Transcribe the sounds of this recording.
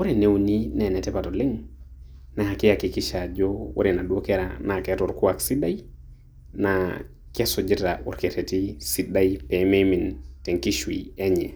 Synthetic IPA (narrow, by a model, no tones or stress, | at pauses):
wuɾinewninenɛtɛpatoleŋ | nahakijakikiʃad͡ʒowṵɾinaɗukeɾa̰naketuɾkuwaksiɗaj | na | kesɔd͡ʒitaṵɾketetisiɗajpememinteŋkiʃwḭeɲɛ